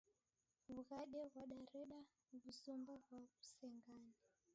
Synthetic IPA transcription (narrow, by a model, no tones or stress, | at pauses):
βuɣaɗɛɣwaɗaɾɛɗa | βusumbaɣwaku̥sɛŋɡaːna